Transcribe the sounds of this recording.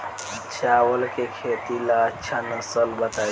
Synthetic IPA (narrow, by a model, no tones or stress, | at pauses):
t͡ʃʰaːwəlkekʰet̪ilat͡ʃʰanəsəlbət̪a